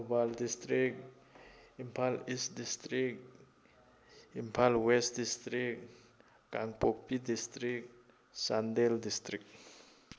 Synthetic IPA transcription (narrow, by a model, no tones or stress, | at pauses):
obaldistɾik̚ | impʰalistdistɾik̚ | impʰalwestdistɾik | kaŋpok̚pidist̪ɾik̚ | sandeldist̪ɾik̚